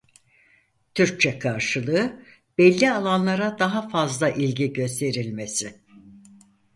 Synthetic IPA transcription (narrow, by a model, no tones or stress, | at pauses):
t̪ʰyɾc̚t͡ʃʰɛkʰaɾʃɯlˠɯː | b̥ɛlʲːialˠanlˠaɾad̪aɦafazlˠaʔilʲɟiɟø̞st̪ʰe̞ɾilʲmesɪ